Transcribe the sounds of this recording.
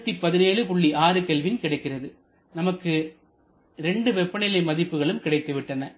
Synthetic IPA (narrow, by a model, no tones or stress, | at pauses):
t̪ːipːɐðɪneːɭɯpʊɭːiaːɾɯkɛlʋɪnkɪɽɐɪkːɪrɐðɯ | nɐmɐkːɯ | ɾɛɳɖɯʋɛpːɐnɪlɐɪmɐðɪpːɯɣɐɭɯmkɪɽɐɪt̪ːɯʋɪʈːɐnɐ